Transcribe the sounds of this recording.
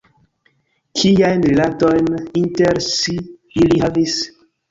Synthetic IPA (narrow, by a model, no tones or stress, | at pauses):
kʰijajnɾilato̞jninteɾsi | iliɦavis